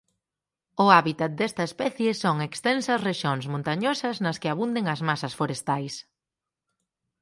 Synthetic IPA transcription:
ʊaβit̪at̪̚d̪ɛst̪ɐespɛθjesoŋekst̪ɛnsɐsreʃoŋsmõnt̪aɲosɐznɐskɪaβund̪eŋɐzmasɐsfoɾest̪ajs

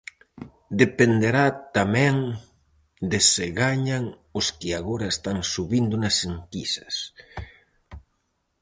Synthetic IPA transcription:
d̪epend̪eɾat̪amɛ̃ŋ | d̪ɪsɪɣaɲaŋ | ʊskɪaɣoɾaest̪aŋsuβind̪ʊnɐseŋkisɐ̥s

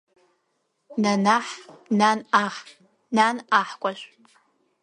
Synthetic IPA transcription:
nanaħnanaχ | nanaħkʷʼaɬ

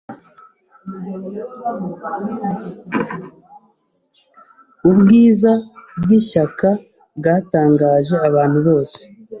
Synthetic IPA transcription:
ubɡiːzabɡiʃaka | bɡaːtaːŋɡaːʒe̞aβaːn̥huβo̞ːse̥

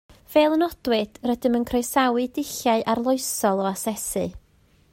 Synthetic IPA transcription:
v̥eːlˠənɔd̥wɨd̥rədɪmənkʰrɔjsawɨdɪɬjaɨʔarlˠʊɨsɔlˠɔasɛsɨ̰

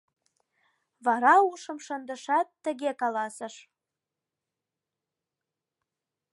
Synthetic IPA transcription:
βɑɾɑuʃə̆mʃənd̪ə̆ʃɑt̪ːə̆ɣekɑlɑsə̆ʃ

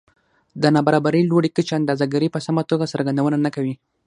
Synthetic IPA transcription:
d̪ənɑbaɾɑbaɾəjloɽikət͡ʃand̪azaɡaɾəpəsamat̪oɡasəɾɡand̪awənanakawi

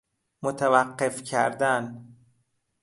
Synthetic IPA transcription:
mot̪ʰævæqːefcʰæ̰ɾd̪æn

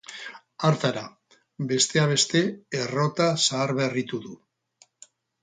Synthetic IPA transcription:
aɾt̪aɾa | be̞st̪e̞aβ̞e̞st̪e̞ːro̞t̪asaːɾβe̞rit̪uðu

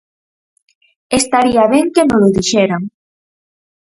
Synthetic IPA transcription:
est̪aɾiaβɛŋkemolʊðiʃeɾaŋ

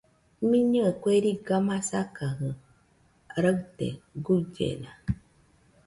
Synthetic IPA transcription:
mĩɲɨekʷeɾiɡamãsakaɦɨ | ɾət̪ḛɡuɟḛna

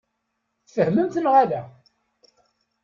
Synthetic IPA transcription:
θfəhməmt̪ənʁaɾa

